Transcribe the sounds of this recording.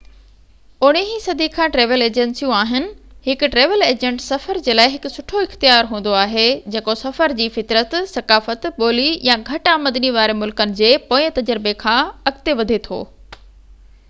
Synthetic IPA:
ʊɽ̃eɦisɐd̪ʱikʰãːʈɾeːʋəleːd͡ʑẽnsijũaːɦɪnɪ̆ɦɪkʊʈɾeːʋəleːd͡ʑẽɳʈsɐfəɾd͡ʑeːlaːɪɦɪkʊsʊʈʰoɪxt̪ijaːɾɦũːn̆d̪oaːɦed͡ʑeːkosɐfəɾd͡ʑiːfɪt̪ɾət̪sɐkaːfət̪ɓoːlijãɡʱɐʈaːməd̪niʋaːɾemʊlkənɪ̆d͡ʑeːpoːt̪ɐd͡ʑəɾɪbekʰãːɐɡt̪eʋɐd̪ʱet̪ʰo̰ː

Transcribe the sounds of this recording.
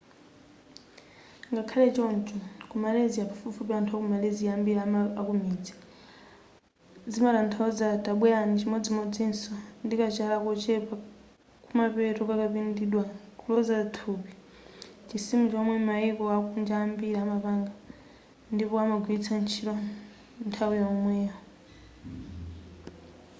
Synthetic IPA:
ŋɡakʰalɛt͡ʃɔnt͡ʃɔkumaleziapafufupɛantʰɔkumaleziaambilaakumid͡zɛ̥ | d͡zimaɾantʰɔzataɓwɛanit͡ʃimɔd͡zimɔd͡zinsɔndikat͡ʃalakɔt͡ʃɛpa | kumapɛtɔkakapindiɗwakʰulɔzatʰupi | t͡ʃisimut͡ʃɔmwɛmaikɔakund͡ʒaːmbiɾaːmapaŋɡa | ndipɔamaɡwit͡sʰant͡ʃʰiɾɔ | ntʰawiɔmwɛa

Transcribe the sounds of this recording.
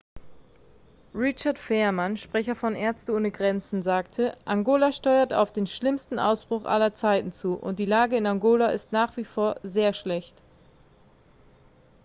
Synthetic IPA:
ʁɪt͡ʃɐtfɛːɐmanʃpʁ̥ɛçɐfɔnʔɛːɐt͡stəʔoːnəɡʁɛnt͡sn̩zaːktʰəʔaŋɡoːlaʃtɔʏɐta̰ʊfd̥eːnʃlɪmstn̩ʔa̰ʊsb̥ʁ̥ʊχʔa̰lɐt͡saɪtn̩t͡suːʔʊ̰nt̚d̥iːlaːɡəɪnaŋɡoːlaʔɪ̰stnaːχv̥iːfoːɐzeːɐʃlɛçt

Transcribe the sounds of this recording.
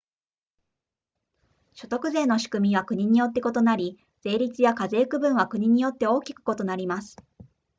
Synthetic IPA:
ɕo̞t̪o̞kɯ̟ze̞ːno̞ɕi̥kɯ̟mʲiβakɯ̟ɲ̟iɲ̟ijo̞t̪ːe̞ko̞t̪o̞naɾʲi | d͡z̥e̞ːɾʲit͡sɨjakaze̞ːkɯ̟bɯ̟̃ɰ̃βakɯ̟ɲ̟iɲ̟ijo̞t̪ːe̞o̞ːkʲi̥kɯ̥ko̞t̪o̞naɾʲimasɨ̥

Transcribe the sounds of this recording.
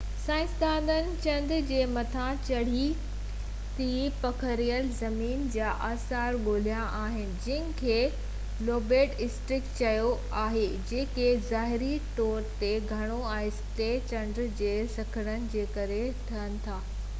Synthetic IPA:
sãːɪ̃sd̪aːnd̪ənɪ̆t͡ɕɐ̃nd̪d͡ʑeːmɐt̪ʰãt͡ɕɐɽ̤i | t̪ʰipɐkʰəɾijəlzɐmiːnd͡ʑaːʔaːsaːɾɓoːl̤ijãʔaːɦɪnɪ̆d͡ʑɪ̃ɦɪnɪ̆kʰeː | loːbeːʈɪsʈɾɪkt͡ɕɐjo | aːɦed͡ʑeːkezaːɦɪɾiʈoːɾt̪eɡʱɐɽ̃oɛ̃ːsʈeːt͡ɕɐ̃ndɾd͡ʑeːsɐkʰəɽ̃ənɪ̆d͡ʑeːkɐɾet̪ʰɐənɪ̆t̪ʰaː

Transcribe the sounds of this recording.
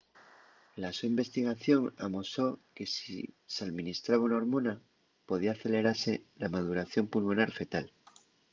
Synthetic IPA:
lasuimbe̞st̪iɣ̞aθjo̞ŋamoso̞ke̞sisaðmĩnist̪ɾaβaunaoɾmõ̞na | po̞ðiaθe̞le̞ɾaɾse̞lamað̞uɾaθjo̞mpulmonaɾfe̞t̪al

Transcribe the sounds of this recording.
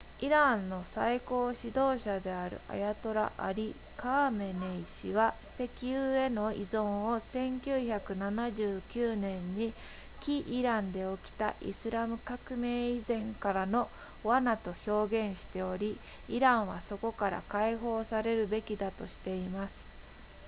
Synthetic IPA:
iɾãnːo̞saiko̞ːɕid̪o̞ːɕad̪e̞aɾɯ̟̰ʔa̰jat̪o̞ɾa̰ʔaɾʲi | kaːme̞neiɕḭβa | se̞kʲiɯːe̞no̞izõ̞ɰ̃o̞sẽ̞ŋkʲɨːçakɯ̟nanaʑɨːkʲɨːnẽ̞ɲːi | kʲiʔːɾãnd̪e̞o̞kʲi̥t̪a̰ʔḭsɨɾamɯ̟kakɯ̟me̞ːizẽ̞ŋkaɾano̞ | βanat̪o̞ço̞ːɡẽ̞ɰ̃ɕi̥t̪e̞o̞ɾʲi | iɾãɰ̃βaso̞ko̞kaɾa̰kaiɦo̞ːsaɾe̞ɾɯ̟be̞kʲid̪at̪o̞ɕi̥t̪e̞imasɨ̥

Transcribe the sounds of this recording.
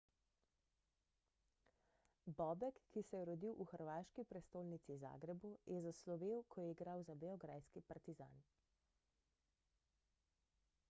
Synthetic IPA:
bɔbɛkːisɛjɛɾɔd̪iwʔuxəɾʋaːʃkipɾɛst̪oːlnit̪siza̰ːɡɾɛbujʔɛzaslɔʋeːwkʰɔjɛiɡɾawzabɛɔɡɾajskipaɾt̪iza̰ːn

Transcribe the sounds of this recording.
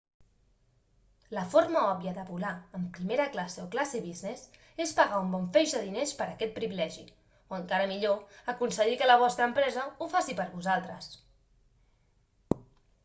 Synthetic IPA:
ləfoɾməɔβjəðəβulaəmpɾimeɾəklaseoklaseβiznes | espəɣaumbɔɱfɛʒəðinespəɾəkɛt̪̚pɾiβilɛʒi | oəŋkaɾəmiʎoəkunsəɣikələβ̞ɔst̪ɾəmpɾɛzəufasipəɾβuzalˠt̪ɾəs

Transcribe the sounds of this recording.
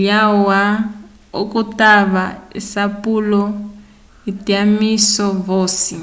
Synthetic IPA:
jawa | ukʼutʼaβaḭsapʼulɔ | itiamisɔvoːsi

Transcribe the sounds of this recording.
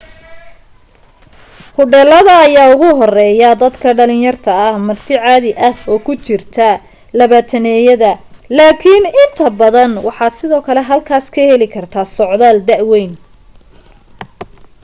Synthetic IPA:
hʊɖɛlɐðɐːjaːʊɣʊɦɔrɛːjɐd̪ɐd̪kʰɐɖɐlɪnjɐrt̪ʰɐɐhmɐrt̪ʰɪʕɑːðɪʔɐfɔːkʰʊt͡ʃɪrt̪ʰɐ | lɐβaːt̪ʰɐnɛːjɐðɐlaːkʰinɪnt̪ʰɐbɐðɐnwɑħɑːd̪sɪðɔːkʰɐlɛɦɐlkʰaːskʰɐhɛlɪkʰɐrt̪ʰaːsɔʕðaːld̪ɐʕwɛjn

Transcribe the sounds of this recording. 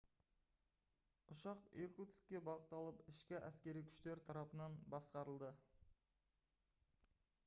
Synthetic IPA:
ʊʃɑqiɾkut̪skʲːe̞bɑʁət̪ːɑlˠəpɪʃkʲɪʔæskʲe̞ɾijkʲʰʏ̥ʃt̪e̞ɾt̪ʰɑɾɑpənɑnbɑsqɑɾəlˠd̪ə

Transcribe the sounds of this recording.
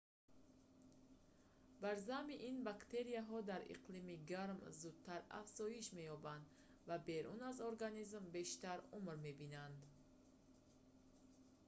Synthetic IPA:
baɾzamiʔinbakt̪ʰe̞ɾijaɦɔd̪aɾḭqlimiɡaɾmzud̪̥̚t̪ʰaɾa̰fz̥ɔjiʃme̞jɔband̪ | vabe̞ɾunazoɾɡanizmbe̞ʃt̪aɾumɾme̞binand̪

